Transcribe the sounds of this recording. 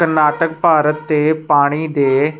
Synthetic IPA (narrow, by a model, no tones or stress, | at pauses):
əɾnaːʈək̚paːɾət̪ːeːpaːɽ̃id̪eː